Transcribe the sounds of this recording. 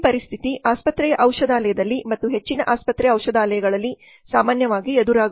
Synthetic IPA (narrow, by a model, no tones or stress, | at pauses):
pɐɾist̪ʰit̪iʔaːspɐt̪ɾɛjɐʔɐwʂɐd̪aːlɐjɐd̪ɐlːimɐt̪ːuɦe̞t͡ʃːinɐʔaːspɐt̪ɾɛjɐwʂɐd̪aːlɐjɐɡɐɭɐlːi | saːmaːnjɐʋaːɡied̪uɾaː